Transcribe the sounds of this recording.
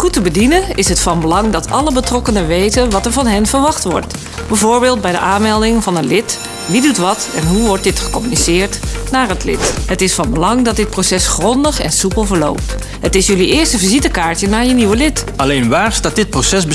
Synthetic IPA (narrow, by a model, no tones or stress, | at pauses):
χutəbədinəɪsɦətfɑnbəlɑŋdɑtʰɑ̰ləbətrɔkənəʋejtənʋɑtəɹvɑnɦɛnvəɹʋɑχtʋɔ̰ɹt | b̥ɛvoːɹbɪːlˠt̚bɛjdə̰ʔaːnmɛlˠdɪŋvɑnənlɪt | ʋidutʋɑtɛnɦuʋɔɹt̚dɪtχə̥kɔmynisɪːɹtnaːɹɦətlɪ̰tɦətɪsfɑnbəlɑŋdɑt̚dɪt̚prosɛsχrɔndəχɛ̰nsupəl̩ˠvəɹlo̰wp̚t | hətɪsjɵliɪːɹstəvizitəkaːɹtənaːɹjəniʋəlɪtʔɑlejnʋaːɹstaːt̚dɪt̚prosɛsb